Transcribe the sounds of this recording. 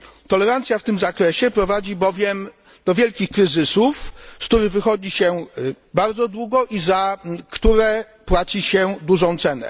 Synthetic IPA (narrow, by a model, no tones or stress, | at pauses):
t̪ɔlɛɾant̪sʲjaft̪ɘmzakɾɛɕɛpɾɔvad͡ʑibɔvʲjɛm | d̪̥ɔvʲjɛlkʲixkɾɘzɘsufskt̪uɾɘɣvɘxɔd͡ʑiɕɛ | baɾd̪zɔd̪wuɡɔʔizakt̪uɾɛ | pwat͡ɕiɕɛd̪uʐɔ̃w̃t̪sɛnɛ̰